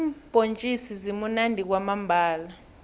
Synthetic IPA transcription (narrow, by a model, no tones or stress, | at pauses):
mb̥ʼʱont͡ʃʼisizimunandʱik̬wamambʱaːla